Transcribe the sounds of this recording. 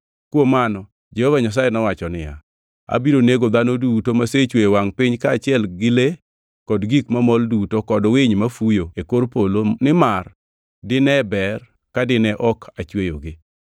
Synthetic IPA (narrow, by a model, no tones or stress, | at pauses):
kwomanɔ | d͡ʒehovaɲas̬ajenɔwat͡ʃɔnɪja̰ | a̰biɾoneɡod̪anodutomaset͡ʃwejwaŋpɪɲkaːt͡ʃɪɛlɡɪle | kɔdɡikmamɔldutokɔdwɪɲmafujoekoɾpolonɪmar | dɪnɛbɛr | kadɪnɛʔɔkʰat͡ʃwejoɡɪ